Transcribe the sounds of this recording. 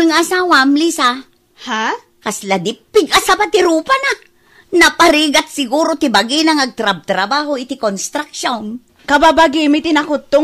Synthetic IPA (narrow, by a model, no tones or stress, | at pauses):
ɪŋʔasaːwamlisa | ha | kaslad̪ɪpːɪɡʔasabat̪ɪɾuːpana | nɐpaɾiːɡat̪̚sɪɡuːɾot̪ɪbaɡinɐŋɐɡ̚t̪ɾab̚t̪ɾɐbaːhoɪt̪ɪkonst̪ɾak̚ʃon | kɐbabaɡɪmɪt̪ɪnakʊt̪ːʊ